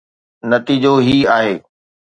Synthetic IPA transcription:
nɐt̪iːd͡ʑoɦiːaːɦeː

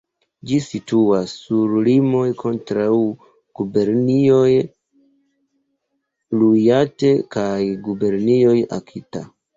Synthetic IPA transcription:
d͡ʒisituasːuɾlimo̞jkʰo̞ntɾaw | ɡ̥ube̞ɾnio̞j | lujate̞kajɡube̞ɾnio̞ja̰kʰita

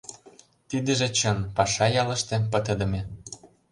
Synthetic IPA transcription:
t̪id̪ə̆ʒĕt͡ɕənpɑʃɑjɑlə̆ʃt̪ĕpə̆t̪ə̆d̪ə̆me

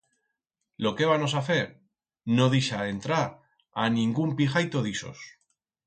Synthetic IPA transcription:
lo̞ke̞βano̞s̬aθe̞ɾ | no̞ðiʃaent̪ɾaɾ | a̰nĩŋɡumpiʝajt̪o̞ð̞iso̞̰s

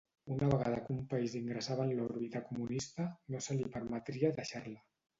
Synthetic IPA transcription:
unaβəɣað̞əkumpaiziŋɡɾəsaβaənlɔɾβit̪akumunist̪ənosəlipəɾmət̪ɾiaðəʃaɾlə

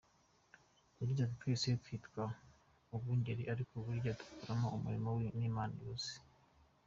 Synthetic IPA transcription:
uɾiɟatitwisejkwiːtkwa | ubɡuːɲɟeɾiʔaɾikʰoβuɾɟatu̥kʰuɾamoumṵɾimowiniːmaːnojoːsi̥

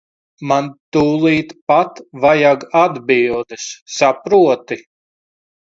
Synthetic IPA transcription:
mant̪uːlˠiːt̪pat̪vajaɡad̪bilˠd̪ɨssapɾuɔt̪i

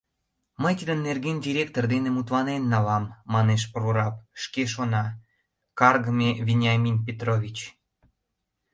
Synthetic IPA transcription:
məjt̪id̪ənːerɣendʲiɾʲek̚t̪ord̪enemut̪lɑnenːɑlɑmːɑneʃ̬proɾɑpʃkeʃ̬onɑ | kɑrɣəmevʲinʲɑmʲinp̬ʲet̪rovʲit͡ɕ

